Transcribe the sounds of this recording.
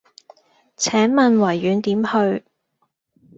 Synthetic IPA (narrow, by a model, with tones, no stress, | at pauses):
t͡sʰɛː˨˥nmɐ˨nwɐ˨˩jːyː˨˧nt̪iː˨˥mhɵ˧ɥ